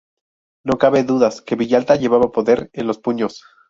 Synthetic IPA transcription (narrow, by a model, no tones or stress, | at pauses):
no̞kaβe̞ðuðaske̞βiʝalt̪aʝe̞βaβapo̞ðe̞ɾenlo̞spuɲo̞s